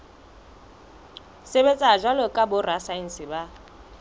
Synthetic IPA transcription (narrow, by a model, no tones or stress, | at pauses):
sebet͡sʼad͡ʒwalɔkʼabʊrasain̩sɪba